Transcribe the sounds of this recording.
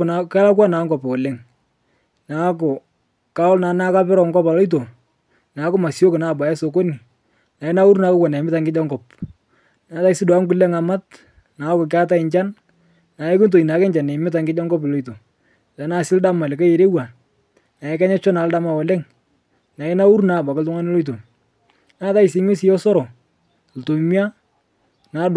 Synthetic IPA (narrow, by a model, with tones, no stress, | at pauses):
na˨ka˦la˦k̬wa˦na˨˦ŋɡɔ˨pɔ˨lɛ˦ŋ | na˨˦k̬ʊ˨ | ka˦ɔ˦lna˨na˦ka˦pɪ˦ɾɔ˨ŋɡɔ˦pa˨lɔ˦it̬o˨ | na˨˦kʊ˦ma˨sjo˦kna˦˨ba˨jɛ˦so˨ko˦ni˨ | na˨ɪ˦na˦u˦ɾu˦na˨˦ko˦kwa˨na˨mɪ˦ta˨ŋɡɪ˦d͡ʒa˦ŋɡɔ˨p | naː˨˦ta˦sɪ˦dwa˨˦ŋkʊ˦lɛ˦ŋa˨ma˦t̚ | na˨˦kʊ˨k̬a˦ta˦ɪ˨ɲt͡ʃa˦n | na˨ɛ˦kɪ˦nt̬o˨i˨na˨kɛ˦ɲt͡ʃa˨nɛ˨˦mɪ˦t̬a˨ŋɡɪ˦d͡ʒa˦ŋɡɔ˦p̬ɪ˨lo˦i˨to˨ | ta˨˦na˦sɪ˦lda˦ma˨lɪ˨ka˦je˨ɾe˦wa˨ | na˨ɛ˦ka˦ɲɛ˦t͡ʃɔ˦na˨˦lda˦ma˨wɔ˨lɛ˦ŋ | na˨ɪ˦na˦u˦ɾna˨ba˨kɪ˦ltʊ˦ŋa˦nɪ˦lo˦it̬o˨ | naː˦ta˦ɪ˨sɪ˨˦mɪ˦sɪ˦jɔ˦sɔ˦ɾɔ˨ | lto˨mi˦a˦ | na˨˦d